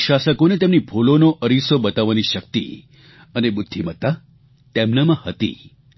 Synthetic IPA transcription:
ʃasəkonet̪emnibʱolonoʔəɾisobət̪aʋaniʃək̚t̪ḭ | ənebud̪ʱːimət̪a | t̪emnamãhət̪ḭ

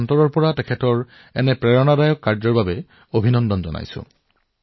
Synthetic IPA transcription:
ntɔɹɔɹpɔɹatɛkʰɛtɔɹ | ɛ̰nɛpɹɛɹɔnadajɔkːaɹzɔɹbabɛ | obʱinɔndɔnzɔ̰na̰jsʊ̰̃

